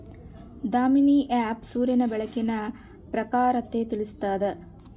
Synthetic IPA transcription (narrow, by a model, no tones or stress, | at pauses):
d̪aːminiːʔaːpsuːɾjɐnɐbɛɭɐkːinɐ | pɾɐkaːɾɐt̪ːet̪iɭist̪aːd̪e